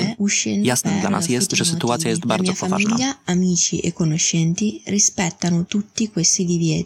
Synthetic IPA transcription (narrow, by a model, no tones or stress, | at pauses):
uʃːɛnjast̪ɛnd̪la̰ma̰sɛst̪t͡ʃasit̪uaːsjaɛst̪baɾmzɔaa̰iaʎːaamiːt͡ʃiʔekːonoʃːɛnt̪irispɛt̪ːanʊt̪ut̪ːikwest̪id̪ivjɛːt̪i